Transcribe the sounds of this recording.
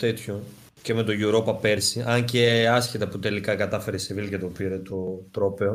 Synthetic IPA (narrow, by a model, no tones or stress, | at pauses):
t̪et̪ço̞ | ce̞me̞t̪o̞ʝuɾo̞pɐpe̞ɾsiʔɐɲceɐsçit̪ɐput̪e̞likɐkɐt̪ɐfe̞ɾesevilcɐt̪opiɾe̞t̪o̞t̪ɾo̞pe̞o